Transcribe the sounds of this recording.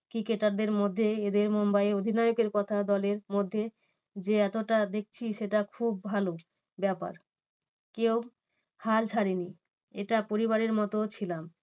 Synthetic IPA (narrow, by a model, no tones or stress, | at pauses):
kɾikeʈaɾd̪eɾmod̪ʱːeed̪eɾmombajeod̪ʱinajokeɾkɔt̪ʰad̪ɔleɾmod̪ʱːe | d͡ʑeɛt̪oʈad̪ek̚t͡ɕʰiʃeʈakʰub̚ːʱalo | bɛpa̰ɾ | kew | halt͡ɕʰaɽini | ḛʈapoɾiβaɾeɾmɔt̪ot͡ɕʰilam